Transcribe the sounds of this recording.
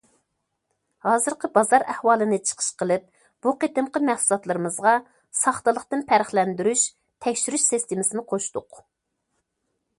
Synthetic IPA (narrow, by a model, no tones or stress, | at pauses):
hɑːzɨɾqʰəbɑzɑɾæhwɑːlˠɨnɨt͡ʃʰə̥qʰə̥ʃqəlˠɨp̚ | b̥uqʰet̪ɨmqəmæhsulˠɑt̪lˠɨɾɨmɨzʁɑ | sɑχt̪əlˠəqt̪ɨnpʰæɾəχlɛnd̪yɾyʃ | t̪ʰɛkʲʃyɾyʃsest̪ɪmɪsɪnɨqʰoʃt̪ʊq